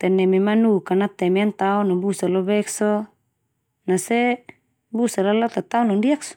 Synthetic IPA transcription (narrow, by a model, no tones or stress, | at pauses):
t̪ɛnɛmemanukanat̪ɛmeant̪aunabusalɔβɛksɔ | nasɛ | busalalat̪at̪aunɔndiaksɔ̥